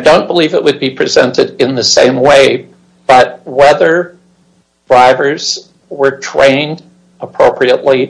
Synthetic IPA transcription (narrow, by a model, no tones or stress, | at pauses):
ɪdõʊ̃nb̥əlivɨʔ̚wɨd̚bipʰɹ̥izɛ̰̃ntɨɾɨ̃nðɨsḛ̃ɪ̃mweɪ | b̥ʌt̚wɛðə˞ | d̥ɹaɪvə˞z̥ | wə˞tʰɹ̥ḛ̃ɪ̃nd | əpʰɹ̥oʊpʰɹiəʔˡli